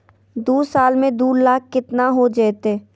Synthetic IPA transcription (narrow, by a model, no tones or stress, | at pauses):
d̪uːsaːlmẽd̪uːɾlaːkːɪt̪naɦod͡ʒɛːt̪eː